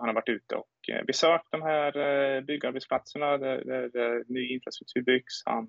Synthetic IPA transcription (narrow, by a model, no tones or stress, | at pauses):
hanhaɾvaʈːʉ̟ːt̪ə̰ɔ̰kvɪsøːk̚td̪ɔmɦæːɾbʏɡːaɾbɛt̪spʰlat̪səɳad̪æ̰d̪æɾɾnyːɪnfɾast̪ɾɵk̚t̪ʰʉ̟ːɾbʏɡ̥sha̰n